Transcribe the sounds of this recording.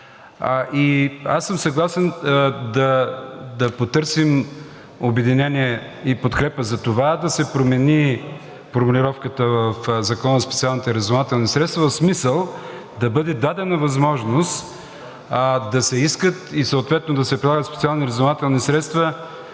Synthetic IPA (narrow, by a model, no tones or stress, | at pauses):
ʔiasːəmsɐɡlˠasɛnd̪ɐd̪ɐpot̪ɤɾsim | obɛd̪inʲɛniɛ | ipot̪kɾɛpəzɐt̪ovad̪ɐsɛpɾomɛni | foɾmʊlʲiɾɔfkət̪əvəfzɐkɔnəspɛ̥t̪sialˠnit̪ɛɾɛzonat̪ɛlˠnisɾɛt̪st̪vɐvɐfsmisəlˠ | d̪ɐbɤd̪ɛd̪ad̪ɛnɐvɐzmɔʒnost̪ | d̪ɐsɛiskət̪isəot̪vɛt̪nod̪ɐsɛpɾilˠaɡət̪spɛ̥t̪ialˠniɾɛzonat̪ɛlˠnisɾɛt̪st̪və